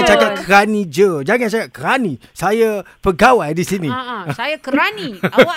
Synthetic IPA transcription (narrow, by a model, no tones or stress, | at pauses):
t͡ʃakap̚kəɾanid͡ʒəd͡ʒaŋãnt͡ʃakap̚kəɾanisaja | pəɡawajdisinisajakəɾani